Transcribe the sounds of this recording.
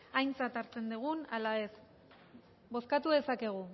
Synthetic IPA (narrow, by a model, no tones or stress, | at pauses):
ajnt͡sat̪aɾt͡se̞nd̪uɣ̞unalae̞s | bo̞skat̪uðe̞sake̞ɣ̞u